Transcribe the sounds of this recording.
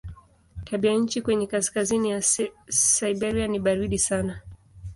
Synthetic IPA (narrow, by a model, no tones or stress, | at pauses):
tʰaɓiaɲ̩t͡ʃikwɛɲɛkaskazinija | saiɓɛɾianiɓaɾiɗisana